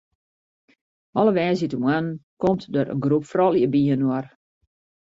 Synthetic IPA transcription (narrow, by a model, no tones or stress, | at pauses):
ʔɔlˠəʋɛːzitumankomtdøɾə̰nɡrupfrɔlˠjəbiənwɔr